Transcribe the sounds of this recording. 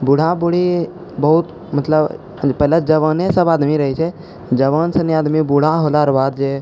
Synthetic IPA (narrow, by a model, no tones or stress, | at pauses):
buɽ̤ʱabuɽi | bəɦut̪ | mət̪ləb | pəɦlad͡ʒəʋənesəbaːd̪miɾəɦɛt͡ʃʰɛ | d͡ʒəʋənsəneaːd̪mibuɽ̤aɦolaɾbaːd̪d͡ʒe